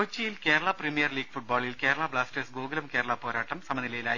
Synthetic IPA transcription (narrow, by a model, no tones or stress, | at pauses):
ot͡ɕːɐjilke̞ːɾɐɭɐprimijɐrliːɡ̚fuʈ̚baːɭilke̞ːɾɐɭabɭaːsʈesɡuːɡɐlɐmke̞ːɾɐɭɐpo̞ːɾaːʈːɐmsɐmɐnilɐjilaːj